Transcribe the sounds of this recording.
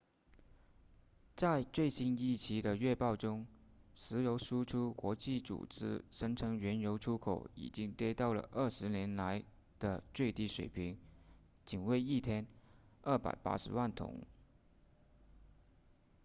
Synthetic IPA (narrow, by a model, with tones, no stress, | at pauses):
t͡sa˥˧ɪt͡swe˥˩ɪɕi˥ni˥˩t͡ɕʰi˧˥d̪ə˧ɥɛ˥˧pɑ˥˩ʊʈ͡ʂʊ˥ŋʂɻ̩˧˥jo˧˥ʊʂu˥ʈ͡ʂʰu˥kwɔ˧˥t͡ɕi˥˩t͡sṵ˨˩ʈ͡ʂɻ̩˥ʂɤ˥ŋʈ͡ʂʰɤ˧˥ŋɥɛ˧˥njo˧˥ʊʈ͡ʂʰu˥kʰo̰˨˩˦ʊḭ˨˩t͡ɕi˥ŋt̪jɛ˥t̪ɑ˥˩ʊlə̰˩ʔə˞˥˩ʂɻ̩˧˥njɛ˧˥nla˧˥ɪ | d̪̥ə˧t͡swe˥˧ɪt̪i˥˩ʂwḛ˨˩ɪpʰi˧˥ŋ | t͡ɕi˨˩nwe˥˧ɪi˥˩t̪ʰjɛ˥n | ə˥˩pa̰˨˩ɪpa̰˥ʂɻ̩̰˧˥wa˥˩nt̪ʰʊ̰˧˥˦ŋ